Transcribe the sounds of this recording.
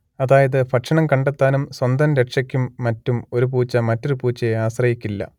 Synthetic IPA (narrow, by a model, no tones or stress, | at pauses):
ɐðaːjɐðɨpʰɐʈʂɐɳɐmkɐɳɖet̪ːaːnumswɐnd̪ɐnɾeʈʂɐkʲːumːɐtːumo̞ɾup̬uːt͡ɕːɐmɐtːo̞ɾupuːt͡ɕːɐaːɕrɐjikʲːilːɐ̰